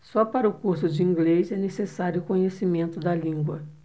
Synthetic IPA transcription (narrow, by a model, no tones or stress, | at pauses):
sɔpaɾɐʊkuɾsʊd͡ʒɪĩɡlezɛnesesaɾjʊkõɲesimẽnt̪ʊd̪ɐlĩŋɡwɐ